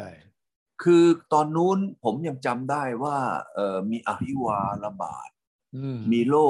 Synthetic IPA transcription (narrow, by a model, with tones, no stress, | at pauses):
kʰɯː˧t̪ɔː˧nːuː˦˥npʰo˩˦mja˧ŋt͡ɕa˧mdaː˥˩jwaː˥˩ʔɤː˨˩miː˧ʔa̰˧˩pʰi˦˥˩waː˧la˧ba̰ː˨˩t̪̚ | miː˧loː˥˩